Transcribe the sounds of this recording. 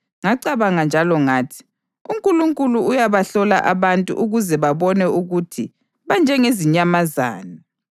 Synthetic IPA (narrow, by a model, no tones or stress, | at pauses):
ŋaǀaβaŋand͡ʒʱalɔŋaːtʰi̥ | uŋkʼuluŋkʼuluujaβaɬɔla̰ʔaβantʼṵʔuɣuzɛβaβɔnɛuɣutʰḭ | βand͡ʒʱɛŋeziɲamaza̰ːni